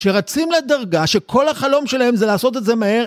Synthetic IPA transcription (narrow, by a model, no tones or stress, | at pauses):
ʃeʁat͡simled̪aʁɡaʃe̞kʰo̞lhaχalo̞mʃe̞lahe̞mzelaːso̞t̪̬e̞tze̞mahe̞